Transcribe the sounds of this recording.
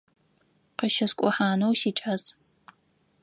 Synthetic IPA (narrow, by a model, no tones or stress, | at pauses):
qəʃɐskʷʼɔħaːnowsiːʈ͡ʂʼaz